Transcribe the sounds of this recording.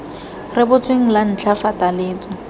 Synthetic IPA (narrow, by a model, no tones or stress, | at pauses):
rɪbʊt͡sʼweŋ̩lan̩t͡ɬʰafatalɪːt͡sʼɔ